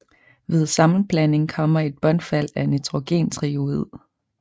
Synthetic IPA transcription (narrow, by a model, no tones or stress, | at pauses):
ʋe̝ð̞ˠsɑ̈mn̩b̥læne̝ŋkʰɒ̽m̰ɐe̝d̥̚b̥ɒ̽nfæl̰ænit͡sʰʁoɡ̥e̝̰ːnt͡sʰʁioið̰ˠ